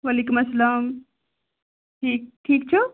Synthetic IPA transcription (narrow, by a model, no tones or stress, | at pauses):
ʋɐliːkumɐsːɐlaːm | ʈʰiːk̚ʈʰiːk̚t͡ʃʰu